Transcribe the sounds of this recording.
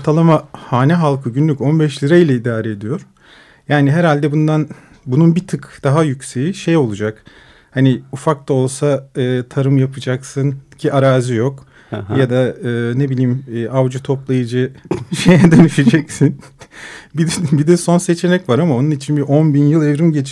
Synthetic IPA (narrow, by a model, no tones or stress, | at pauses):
oɾt̪ʰalˠamahaːnɛɦalˠkʰɯɟynlʲyco̞nbɛʃlʲiɾailʲɛid̪aːɾɛed̪ijo̞ɾ̥ | jaːniɦɛɾalʲd̪ɛbund̪an | bununbit̪ʰɯkd̪̥aɦajycsejiʃejo̞lˠud͡ʒak | haniufak̚t̪ao̞lˠsaɯːt̪ʰaɾɯmjapʰɯd͡ʒaksɯncʰiʔaɾaːzɯjo̞k | jad̪aɯːnebilʲiːmːʔavd͡ʒɯt̪ʰo̞plˠajɯd͡ʒɯʃejɛd̪aniʃid͡ʒɛcsin | bid̪bid̪ɛso̞nse̞t͡ʃʰe̞nɛcvaɾamao̞nunit͡ʃʰinbiʔo̞nbinjɯlˠevɾimɟet͡ʃʰ